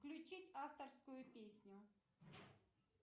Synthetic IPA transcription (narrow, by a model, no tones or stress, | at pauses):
klʲʊt͡ɕitʲaft̪ərskʊjʊpʲesʲnʲʊ